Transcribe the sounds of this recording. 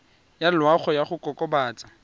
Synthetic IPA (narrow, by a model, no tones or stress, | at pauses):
jalwaχɔjaχʊkʼɔkʼɔbaːt͡sʼḁ